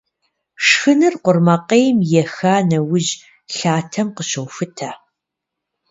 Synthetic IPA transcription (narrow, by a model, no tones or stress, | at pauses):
ʂxɨnɨrqʷʊrmɐqejmjɛxaːnɐwʊʑ | ɬaːtʰɐmqəɕɐwfɨtʰaː